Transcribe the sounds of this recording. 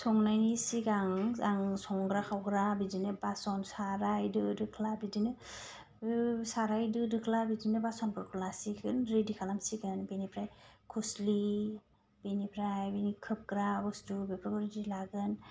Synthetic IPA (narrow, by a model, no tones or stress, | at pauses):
sɔŋnajnisiɡaŋaŋsɔŋɡɾakʰawɡɾabidinebasɔnsaɾajdɯdɯkʰlabidinɯ | saɾajdɯdɯkʰlabidinebasɔnpʰɯɾkʰulasikʰɯnɾedikʰalamsiɡɯnbenipʰɾajkʰusli | benipʰɾajbenikʰɯp̚ɡɾabɯstubepʰɾɔkɔɾedilaɡɯn